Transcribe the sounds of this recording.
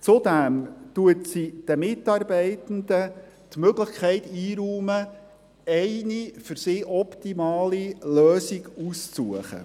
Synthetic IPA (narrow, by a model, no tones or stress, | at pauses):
t͡sʊd̪æmt̪uətsid̥əmɪtɑːɾbɛɪtən̩d̪ə | t̪møɡlɪχkʰɛɪt̪iːɾuːmə | ɛɪnifʏɾsiːʔɔpt̪imɑːliløːsiɡ̥ust͡suəχə̰